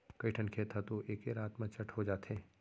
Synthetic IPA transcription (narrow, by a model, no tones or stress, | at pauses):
kɐiʈʰənkʰeːt̪ʰat̪oʔeːkeɾaːt̪mãt͡ʃɐʈʰɦod͡ʒaːt̪ɦeː